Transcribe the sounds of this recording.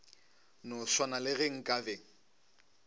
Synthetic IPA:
noswanalɪɣɛŋ̩kʼaveŋ̩

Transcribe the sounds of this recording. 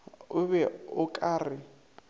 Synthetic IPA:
ʊβɛʊkʼaːrɪ

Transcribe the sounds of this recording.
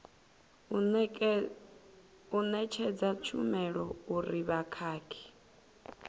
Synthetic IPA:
unɛt͡ʃʰɛd͡zat͡ʃʰumɛɺɔuɾiβakʰaːkʰi̥

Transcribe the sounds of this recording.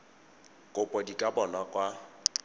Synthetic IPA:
kʼʊpʼɔdikʼabɔnakʼwa

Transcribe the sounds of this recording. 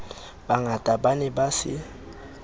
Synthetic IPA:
baŋatʼabanɛbasɪ̰

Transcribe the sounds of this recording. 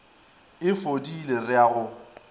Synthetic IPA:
ɪfodilerɪaːɣʊ

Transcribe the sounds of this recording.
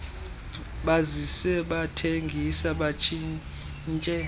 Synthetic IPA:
ɓazisɛɓatʰeŋɡʱisaɓat͡ʃʰʼi | nt͡ʃʼɛ

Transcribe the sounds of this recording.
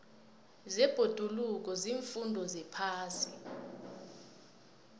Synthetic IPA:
zɛb̥ʱod̥ʱuluk̬ɔziːɱfundʱɔzɛpʰaːsi

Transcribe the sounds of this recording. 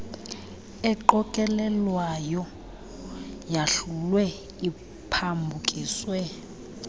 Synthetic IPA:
ɛǃɔkʼɛlɛlwajɔ | jaɬulwɛ | i | pʰambʱukʼiːswɛ

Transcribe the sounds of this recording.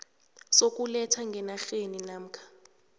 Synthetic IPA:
sok̬ʼulɛtʰaŋɡʱɛnaxeninam̩kʰḁ

